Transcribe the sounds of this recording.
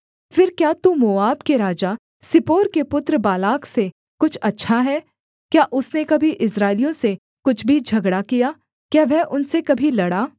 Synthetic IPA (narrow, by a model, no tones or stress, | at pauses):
fɪɾkjaːt̪umoːaːbkeɾaːd͡ʒa | sɪpoːɾkepʊt̪ɾəbaːlaːkse | kʊt͡ʃʰɐtːʃʰaɦɛː | kjaːʔʊsnekɐbʱiʔɪsɾaːɪlijõse | kʊt͡ʃʰbʱid͡ʒʱɐɡɽakijaː | kjaːʋɛɦʔʊnsekɐbʱilɐɽaː